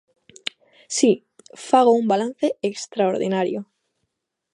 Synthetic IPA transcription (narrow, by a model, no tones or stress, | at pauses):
si | faɣ̞oumbalanθeekst̪ɾaoɾðḭnaɾjo